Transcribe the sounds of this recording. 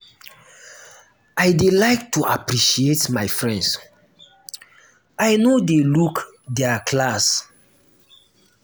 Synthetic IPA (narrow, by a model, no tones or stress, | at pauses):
ajdelaɪk̚tuʔapɾiʃietmaɪfɹɛ̃nds | ajnodeluk | dɛakʰlas